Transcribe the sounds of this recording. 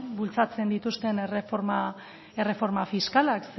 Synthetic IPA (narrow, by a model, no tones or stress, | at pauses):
bult͡sat͡se̞nd̪it̪ust̪e̞nerefoɾma | e̞re̞fo̞ɾmafiskalaks